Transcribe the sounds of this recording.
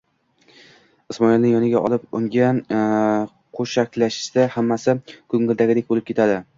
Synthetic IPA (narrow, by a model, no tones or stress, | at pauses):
ɪsmɒɪlnɪŋjɒnɪɡʲaʔɒ̰lˠɪpʊ̰ŋɡʲan | qʰoʃakʲlaʃɪ̥sd̪ahamːasɪkʰɵŋːɪld̪aɡʲɪd̪ek̚ʲbolɪp̚kʰʲe̞t̪ʰad̪ɪ